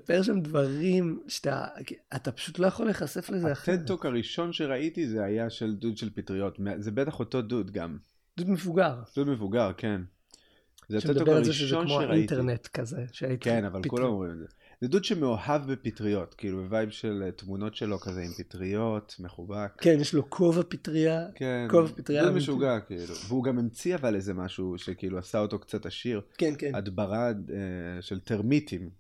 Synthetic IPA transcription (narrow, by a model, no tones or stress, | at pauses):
peʁʃamdvaʁimʃt̪a̰atapḁʃutlo̞jaχo̞leχase̞flezaeat̪et̪okaʁiʃo̞nʃeʁaitizeajaʃeldudʃelpitʁijo̞tmezebetaχo̞to̞dudɡa̰m | d̥̪ud̪mevuɡaʁd̥udmevuɡaʁke̞n | zeatettːoaaʁizeʃezʃeonmoʃeʁaiitenetkazeʃeaitkenavalkulamomʁimedze | dedud̪ʃemeohavbepitʁijo̞tkiʔilubevajbʃeletmuno̞tʃelo̞kazeimpitʁijo̞tme̞χubakkenjeʃlokʰovapitʁiakenkovapid̪ʁidaud̪meʃuɡakiilṵveuɡamemt͡siavalezemaʃuʃekiʔiluasaoto̞kt͡sataʃiʁkenkenad̪baʁaeʃelteʁmitim